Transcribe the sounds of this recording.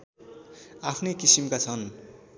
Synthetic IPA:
apʰnekisimkat͡sʰʌn

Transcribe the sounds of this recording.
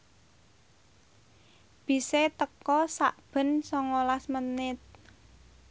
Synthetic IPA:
b̥i̤set̪əkɔsaʔb̥ə̤nsɔŋolasmənɪt̪̚

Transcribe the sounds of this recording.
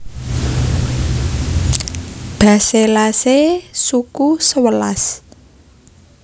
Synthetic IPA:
b̥ä̤selasesukusəwəla̰s

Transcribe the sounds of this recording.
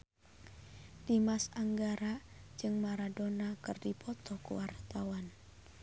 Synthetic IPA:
dimasaŋɡaɾad͡ʒɨŋmaɾadonakɨrdipʰɔt̪ɔkṵwart̪awan

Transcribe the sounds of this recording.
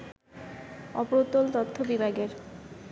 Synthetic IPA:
ɔpoɾot̪ːolt̪ot̪ʰːobibʱaɡeɾ

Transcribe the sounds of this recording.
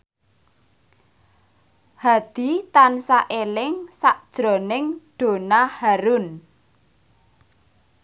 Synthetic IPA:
had̪̥i̤t̪ansaʔelɪŋsaʔd̥ʒ̥ɾɔ̤nɪŋɖ̥o̤nahaɾʊn

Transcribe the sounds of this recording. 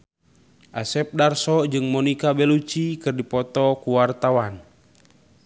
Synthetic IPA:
ʔa̰sɛp̚darsɔd͡ʒɨŋmɔnikabɛlut͡ʃikɨrdipɔt̪ɔkuwart̪awan

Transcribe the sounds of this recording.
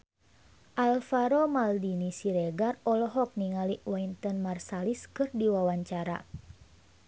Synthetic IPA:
ʔalfaɾɔmaldinisiɾɛɡarɔlɔɦɔk̚niŋaliwant̪ɔnmarsaliskɨrdiwawaɲt͡ʃaɾa̰

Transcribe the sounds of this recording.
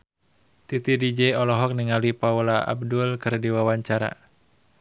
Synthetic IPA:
t̪it̪idid͡ʒɛɔlɔɦɔk̚niŋalipaulaʔa̰b̚dulkɨrdiwawaɲt͡ʃaɾa̰

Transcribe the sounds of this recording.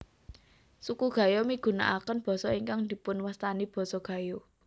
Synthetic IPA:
sukuɡ̥ä̤jomiɡ̥ṳna̰ʔakənb̥ɔ̤sɔiŋkaŋd̪̥i̤pʊnwast̪anib̥ɔ̤sɔɡ̥ä̤jo

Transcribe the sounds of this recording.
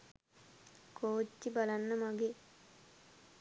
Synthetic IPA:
kʰoːt͡ʃːibalanːəmaɡe

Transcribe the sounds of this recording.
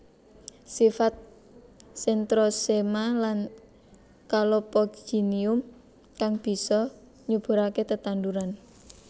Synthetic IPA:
sifat̪̚ | sɛnt̪ɾosemalan | kalopɔɡd͡ʒ̥iniʊm | kaŋb̥i̤sɔ | ɲub̥ṳɾaket̪ət̪and̪uɾan

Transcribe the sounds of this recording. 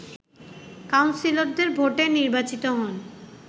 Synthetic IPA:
kawnsiloɾd̪eɾbʱoʈeniɾbat͡ɕit̪oɦɔn

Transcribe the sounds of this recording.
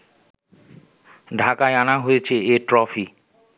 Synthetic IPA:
ɖʱakaeanaɦojet͡ɕʰeeʈɾɔfʰi

